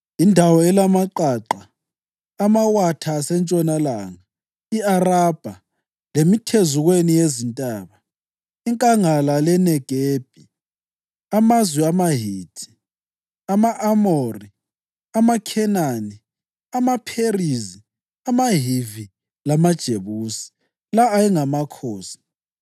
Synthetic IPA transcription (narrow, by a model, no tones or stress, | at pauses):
indʱawɔɛlamaǃaːǃa | amawatʰasɛnt͡ʃʼɔnalaːŋa | iarab̥ʱa | lemitʰezuɣwenijezintʼaːβa | iŋkʼaŋalalɛnɛɡ̥ʱeːb̥ʱi | amazwiamaɦiːtʰʼi̥ | amaʔamori | amakʰɛnani | amapʰerizi | amaɦivi | lamad̥ʒ̥ʱeβuːsi̥ | laːjɛŋamakʰoːsi̥